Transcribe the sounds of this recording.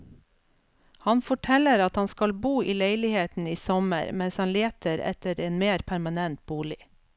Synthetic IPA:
hɑnfɔʈʰɛləɾɑt̪hɑnskɑlbuːʔiːleɪlɪheːt̪n̩iːsɔmə̰ɾmɛnshɑnleːt̪ʰəɾɛ̰t̪əɾeːnmeːɾpʰæɾmɑnɛnt̪̚buːlɪ

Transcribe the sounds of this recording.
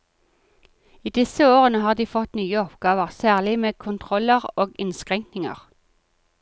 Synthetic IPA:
iːd̪ɪsəoːʁənəhɑːʁd̪iːfɔt̪nyːəɔpɡ̥ɑːʋəʁsæːʁlɪmeːkʰʊnt̪ʰʁɔləʁoːɡɪnskʁɛŋknɪŋə̰ʁ

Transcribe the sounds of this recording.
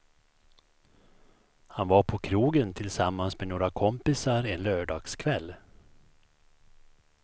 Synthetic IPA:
hanvaɾpʰɔkʰɾuːɡənt̪ʰɪlsamːansmenoːɾakʰɔmpɪsaɾɛnlœːɖɑːɡ̥skʰvɛlː

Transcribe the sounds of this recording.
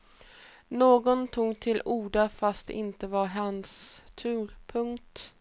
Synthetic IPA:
noːɡɔnt̪ʰuːɡt̪ʰɪlʔuːɖafast̪ʔɪnt̪əvaɾɦanst̪ʰʉ̟ːɾpʰɵŋkt̪

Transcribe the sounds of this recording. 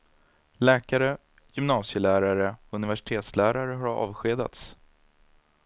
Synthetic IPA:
lɛːkaɾə | jʏmnɑːsɪjəlæːɾaɾəɔɵnɪvæʂɪ̥t̪ʰeːt̪slæːɾaɾəɦaɾɑ̰ːvɧeːd̪a̰t̪s

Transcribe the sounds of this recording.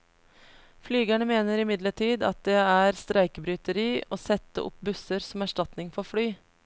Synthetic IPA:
flyːɡæɳəmeːnəɾɪmɪd̪ləʈʰiːd̪ɑ̰t̪̚d̪eːæːɾst̪ɾʔæɪkəbɾyːt̪əɾiːoːsɛt̪ːə̰ʔʊ̰pbʉsəɾsɔmæʂʈɑt̪nɪŋfɔɾfɽyː

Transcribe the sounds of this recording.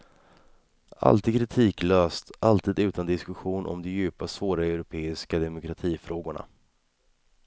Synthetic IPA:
ʔa̰lt̪iːd̪̚kʰɾɪt̪ʰiːkløːst̪ʔalt̪ʰiːd̪ʉ̟ːt̪and̪ɪskɵɧuːnʔɔ̰md̪ɔjʉ̟ːpasvoːɾaɛʊɾʊpʰeːɪskad̪ɛmʊkɾat̪ʰiːfɾoːɡʊɳa̰

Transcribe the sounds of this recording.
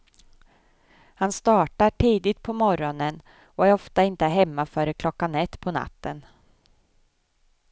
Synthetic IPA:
hanst̪ɑːʈaʈʰiːd̪ɪt̪̚pʰɔmɔɾɔnən | ɔæɾɔft̪aɪnt̪əɦɛmːafœːɾəkʰlɔkːanɛt̪ːpʰɔna̰t̪ːən

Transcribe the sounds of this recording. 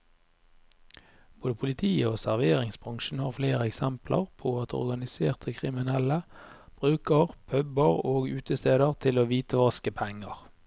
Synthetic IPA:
b̥oːd̪əpʰʊlɪt̪ʰiːəoːsæʁʋeːʁɪŋsbʁɑŋʃn̩hɑːʁfleːʁəɛksɛmplə̰ʁpʰoːɑt̪ɔ̰ʁɡɑnɪseːʁt̪ʰəkʰʁɪmɪnɛləb̥ʁʉːkəʁpʰœbəʁoːɡʉːt̪əst̪eːd̪əʁt̪ʰɪloːʋiːt̪əʋɑskəpʰɛŋəʁ

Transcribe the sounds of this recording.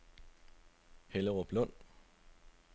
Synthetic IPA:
heləʁob̥lɔn̰

